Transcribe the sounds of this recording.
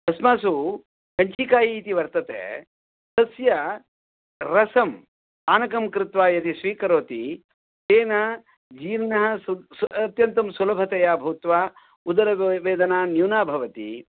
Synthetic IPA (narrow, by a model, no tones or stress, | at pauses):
t̪ɐsmaːsu | kɐɲt͡ʃiːkaːjiːt̪iʋɐɾt̪ɐt̪ḛː | sɐsjɐ | ɾɐsɐm | aːnɐkɐmkɾɪt̪ʋaːjɐt̪isʋiːkɐɾoːt̪i | t̪eːnɐ | d͡ʒiːɾnɐɦɐ̆sɐt̪jɐnt̪ɐmsulɐbʱɐt̪ɐjaːbʱɐʋt̪ʋaː | ud̪ɐɾɐʋeːd̪ɐnaːnjuːnaːbʱɐʋɐt̪ḭ